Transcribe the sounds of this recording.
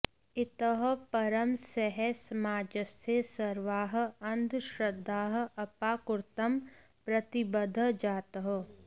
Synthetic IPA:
ɪt̪əɦpɐɾəmsɛɦɛsɐmaːd͡ʒəst̪ʰesɐɾʋaːɦɐ̃nd̪ʱʃɾɐd̪ʱːaːɦɐpaːkʊɾt̪əm | pɾɐt̪ɪbəd̪ʱəd͡ʒaːt̪əɦ

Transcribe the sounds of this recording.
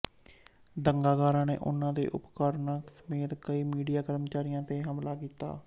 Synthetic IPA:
d̪əŋɡaːɡaːɾãːnḛːʔʊ̰nːãːd̪ḛːʔʊ̰pkaːɾnaːksəmeːt̪kəiːmiːɖijaːkəɾmət͡ʃaːɾɪjãːt̪eːɦəmlaːkiːt̪a̰ː

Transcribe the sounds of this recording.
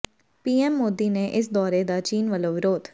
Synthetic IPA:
piːɛːmːoːd̪iːneːʔɪsd̪ɔːɾeːd̪aːt͡ʃiːnʋəloːʋɪɾoːt̪

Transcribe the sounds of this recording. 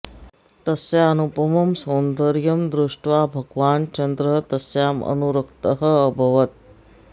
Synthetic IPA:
t̪ɐsjaɐnupɐmɐmsoːnd̪ɐɾjɐmd̪ɾuʂʈʋaːbʱɐɡʋaːnt͡ʃɐnd̪ɾɐt̪ɐsjaːmɐ̰nuɾɐkt̪ɐɦəɐbʱɐʋɐt̪̚

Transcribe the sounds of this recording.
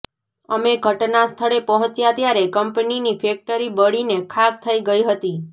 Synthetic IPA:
əmeɡʱəʈnast̪ʰəɭepəɦɔ̃t͡ʃjat̪jaɾekəmpəninifek̚ʈəɾibəɽinekʰak̚t̪ʰəiɡəiɦət̪i

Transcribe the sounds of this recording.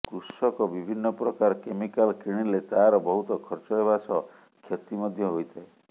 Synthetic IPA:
kɾusɔkɔbibʱinːɔpɾɔkaɾɔkemikalkiɽ̃ilet̪aɾɔbɔɦut̪ɔkʰɔɾt͡ʃɔɦebasɔ | kʰjɔt̪imɔd̪ʱjɔɦojt̪ʰae

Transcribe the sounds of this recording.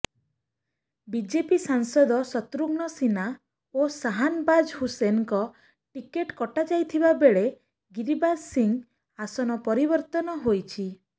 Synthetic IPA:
bid͡ʒepisaŋsɔd̪ɔsɔt̪ɾuɡnɔsina | osaɦanbad͡ʒhusenkɔ | ʈikeʈkɔʈad͡ʒajt̪ʰibabeɭe | ɡiɾibasiŋ | asɔnɔpɔɾibɔɾt̪ɔnɔɦojt͡ʃʰi

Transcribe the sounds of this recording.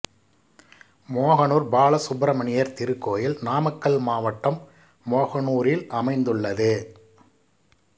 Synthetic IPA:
moːɣɐnuːɾbaːɭɐsʊbɾɐmɐɳɪjɐɾt̪ɪɾɯkːoːjɪlnaːmɐkːɐɭmaːʋɐʈːɐmː | oːɣɐnuːɾɪlɐmɐɪnd̪ɯɭːɐðɯ

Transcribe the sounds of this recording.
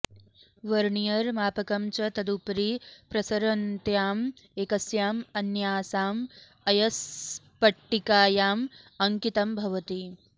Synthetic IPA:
ʋɐɾɳijɐɾmaːpɐkɐmt͡ʃɐt̪ɐd̪upɾipɾɐsɐɾɐnt̪jaːm | eːkɐsjaːmɐnjaːsaːm | ɐjɐspɐʈːikaːjaːmɐŋkit̪ɐmbʱɐʋɐt̪i

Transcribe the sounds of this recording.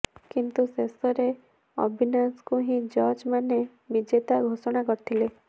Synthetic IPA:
kint̪usesɔɾe | ɔ̰bʱinaskũɦĩd͡ʒɔɾd͡ʒmane | ʋid͡ʒet̪aɡʱosɔɽ̃akɔɾt̪ʰile

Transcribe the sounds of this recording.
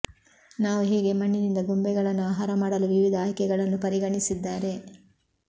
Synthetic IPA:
naːʋuɦeːɡe̞mɐɳːinind̪ɐɡumbɛɡɐɭɐnːuaːɦaːɾɐmaːɽɐluʋiʋid̪ʱaːjkɛɡɐɭɐnːupɐɾiɡɐɳisid̪ːaːɾe̞

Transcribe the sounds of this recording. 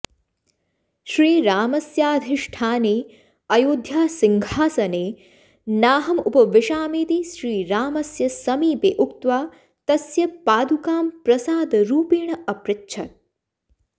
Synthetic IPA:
ʃɾiːɾaːmɐsjaːd̪ʱɪʂʈʰaːneː | ɐjoːd̪ʱjaːsɪŋɡʱaːsɐneː | naːɦɐmupɐʋɪʃaːmiːt̪iʃɾiːɾaːmɐsjɐsɐmiːpeːʔukt̪ʋaː | t̪ɐsjɐpaːd̪ukaːmpɾɐsaːd̪ɾuːpiːɳɐʔɐpɾɪtːʃʰɐt̪̚

